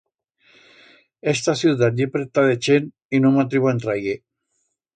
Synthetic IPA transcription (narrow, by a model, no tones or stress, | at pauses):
est̪asjut̪̬at̪epɾet̪aðet͡ʃen | inomat̪ɾiβent̪ɾaje